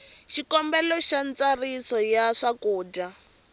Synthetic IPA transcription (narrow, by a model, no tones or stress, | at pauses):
ʃikɔmbɛlɔʃant͡sarisɔjaʂakuːd͡ʒa